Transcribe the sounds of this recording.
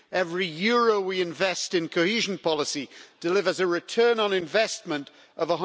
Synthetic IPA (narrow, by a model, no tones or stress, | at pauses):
ɛvɹijɔːɹoʊwiɪ̃ɱvɛstɨ̃nkʰoʊhiʒə̃n̩pʰɒlˠəsid̥ɪlɪvə˞zəɹɪtʰɜːnə̃nɪ̃ɱvɛsmə̃nt | ʔəvəɦʌ̃